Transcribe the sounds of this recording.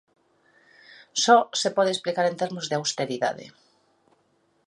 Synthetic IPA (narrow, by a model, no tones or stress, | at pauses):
sɔsepɔð̞eesplikaɾẽnt̪eɾmʊzðeawst̪eɾiða̰ðḛ